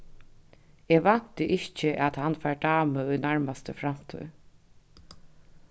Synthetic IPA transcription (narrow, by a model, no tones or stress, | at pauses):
eːʋan̥t̪əʔɪht͡ʃəʔat̪hanfæːɹɖaːməʊjnaɹmast̪əfɾam̥t̪ʰɔ̰j